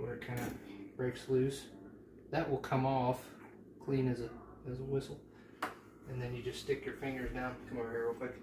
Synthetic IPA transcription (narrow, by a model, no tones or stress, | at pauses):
wə˞ɨt̚kʰãɪ̃ndɨb̥ɹeɪkslʉs | ðɨʔ̚wʔəlˠkʰʌ̃mɔf | kʰl̥ĩnɨzɨ | ɨzəwɪsl̩ˠ | ɨ̃nðɨ̃njɨd͡ʒʌststɪkjə˞fɪ̃ŋɡə˞zdãʊ̃nʰmɔɛɹokɪk